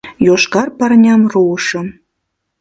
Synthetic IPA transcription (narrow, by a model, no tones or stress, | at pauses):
joʃkɑrpɑrnʲɑmruɤʃɤ̆m